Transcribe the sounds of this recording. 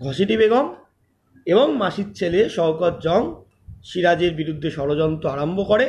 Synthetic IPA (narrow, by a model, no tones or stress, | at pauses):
ɡʱɔʃiʈibeɡom | eboŋmaʃit̪̚t͡ɕʰeleʃɔwkɔt̪̚d͡ʑɔŋ | ʃiɾad͡ʑeɾbiɾud̪ʱːeʃɔɾod͡ʑɔnt̪ɾoaɾombʱokoɾe